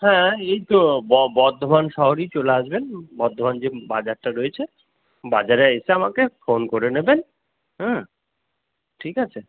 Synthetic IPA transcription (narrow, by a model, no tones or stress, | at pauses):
hɛ̃ejt̪obɔbɔɾd̪ʱobanʃɔɦoɾit͡ɕoleaʃbenbɔɾd̪ʱoband͡ʑebad͡ʑaɾʈaɾoet͡ɕʰe | bad͡ʑaɾeeseamakefonkoɾeneben | ɦɛ̃ | ʈʰikat͡ɕʰe